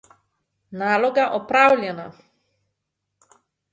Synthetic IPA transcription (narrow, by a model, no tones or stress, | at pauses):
naːloɡaʔɔpɾawlʲɛna